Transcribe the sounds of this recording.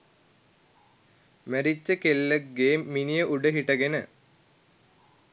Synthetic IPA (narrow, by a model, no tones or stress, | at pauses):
mæɾit͡ɕːəkelːəɡeːmːinijəʔuɖəɦiʈɐɡenə